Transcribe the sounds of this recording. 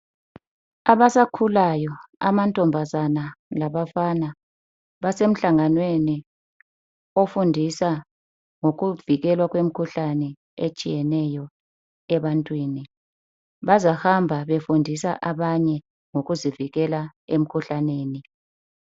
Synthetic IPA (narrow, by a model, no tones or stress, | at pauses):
aβasakʰulajɔa̰mantʼɔmbʱazanalaβafana | βasem̩ɬaŋanweni | ofundʱisa | ŋoɣuviɣɛlwaɣ̬wem̩kʰuɬanɛ | et͡ʃʼḭjɛnɛjɔ | ɛβantʼwiːni | βazahambʱaβefundʱisaʔaβaɲɛ | ŋoɣuziviɣɛlaem̩kʰuɬaneːni